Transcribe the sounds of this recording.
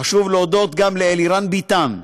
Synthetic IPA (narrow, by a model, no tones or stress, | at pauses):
aʃuvleod̪ot̪ɡamleeliɾanbit̪an